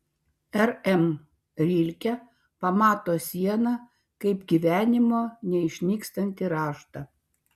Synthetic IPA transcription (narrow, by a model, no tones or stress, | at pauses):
ɛɾɛm | ɾʲilʲkʲɛ | pɐmɑːt̪oːsʲiɛnɐ | kɐɪpɡʲiʋʲæːnʲɪmoːnʲɛɪʃʲnʲiːkst̪ɐnʲt̪ʲiɾɑːʃt̪ɐ